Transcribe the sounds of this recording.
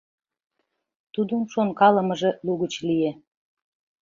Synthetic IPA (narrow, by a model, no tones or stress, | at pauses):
t̪ud̪onʃonkɑlə̆mə̆ʒĕluɣət͡ɕlie